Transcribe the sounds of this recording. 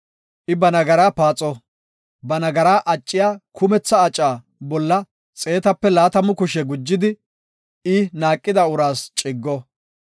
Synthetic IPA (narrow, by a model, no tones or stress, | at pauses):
ʔɪbɐnɐɡɐɾaːpaːt͡sʼɔ | bɐnɐɡɐɾaːʔɐt͡ʃʼːɪjaːkʰʊmɛt͡sːɐːt͡ʃʼːaː | bɔlːɐ | t͡sʼe̞ːt̪ɐpːɛlaːt̪ɐmʊkʊʃɛɡʊd͡ʒːɪd̪ɪ | ɪnaːkʼːɪd̪ɐʊɾaːst͡ʃʼɪɡːɔ